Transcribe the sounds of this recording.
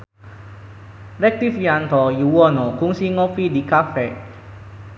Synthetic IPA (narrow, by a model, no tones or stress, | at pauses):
lɛk̚t̪ifjãnt̪ɔjuwɔnɔkuŋsiŋɔfidikafɛʔ